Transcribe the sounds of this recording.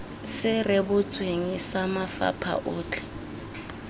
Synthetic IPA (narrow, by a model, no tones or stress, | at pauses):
sɪrɪbʊt͡sʼweŋisamafa̰pʰa̰ʔʊːt͡ɬʰɛ̥